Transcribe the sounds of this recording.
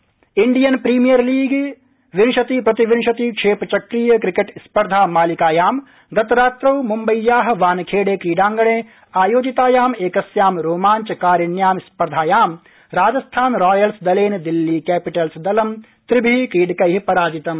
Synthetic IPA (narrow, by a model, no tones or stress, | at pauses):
iɳɖijɐnpɾiːmijɐɾliːɡ | ʋinʃɐt̪ipɾɐt̪iʋɪnʃɐt̪ikʂʰeːpt͡ʃɐkɾijɐkɾikeʈspɐɾd̪ʱaːmaːlikaːjaːm | ɡɐt̪ɾaːt̪ɾɐwmumbɐjːaːɦɐʋaːnkʰeːɽeːkiːɖaːŋɡɐɳ̃ẽː | aːjoːd͡ʒit̪aːjaːmeːkɐsjaːmɾoːmaːɲt͡ʃɐkaːɾjɐnjaːmspɐɾd̪ʱaːjaːm | ɾaːd͡ʒɐst̪ʰaːnɾaːjɐlsd̪ɐleːnd̪ilːiːkɛːpiʈɐlsd̪ɐlɐm | t̪ɾibʱikiːɖkɐjɦipɐɾaːd͡ʒit̪ɐm